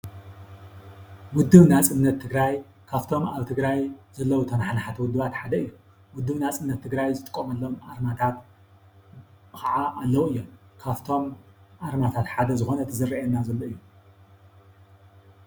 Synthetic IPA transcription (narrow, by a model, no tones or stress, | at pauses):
wʊd̪ːɨβnat͡sʼɨmnːɐt̪ʰːɨɡɾaj | kʰaβt̪ʰo̞maβt̪ʰɨɡɾajzɐlːɐwut̪ʰɐnaħanaħat̪ʰɐwʊd̪ːɨβat̪ħad̪ɐɨjːu | wʊd̪ːɨβnat͡sʼɨmnːɐt̪ʰːɨɡɾajzɨt̪ʼɨkʼːomɐlːomʔaɾmat̪ʰat̪ | kʰaʕaʔːlːɐwuɨjːomkʰaβt̪ʰo̞mʔaɾmat̪ʰat̪ħad̪ɐzɨxo̞nɐt̪ʰɨzɨriʔɛnːazɐlːoɨjːu